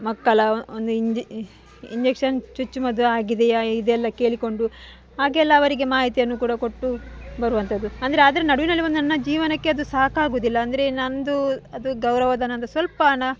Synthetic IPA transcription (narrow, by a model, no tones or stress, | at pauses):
mɐkːɐlɐond̪uid͡ʒ | ḭɲd͡ʒekʂɐnt͡ʃut͡ʃːumɐd̪uaːɡid̪e̞id̪ɛlːɐke̞ːɭiko̞ɳɖu | aːɡɛlːɐːʋɐɾiɡe̞maːɦit̪ijɐnːukuːɽɐko̞ʈːubɐɾuʋɐnt̪ɐd̪uɐnd̪ɐɾeaːd̪ɐɾenɐɽuʋinɐlːiʋo̞nd̪unɐnːɐd͡ʒiːʋɐnɐkːe̞ɐd̪usaːkaːɡoːd̪ilːɐːnd̪ɐɾe̞nɐnd̪uɐd̪uɡɐwɾɐʋɐd̪ɐnɐnd̪ɐsʋɐlpɐnɐ